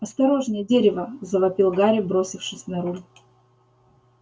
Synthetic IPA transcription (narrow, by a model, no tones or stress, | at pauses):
ɐst̪ɐɾo̞ʐnʲɪjədʲeɾʲɪvəzəvɐpʲilˠɡaɾʲɪbɾo̞sʲɪfʂɨsʲnɐɾulʲ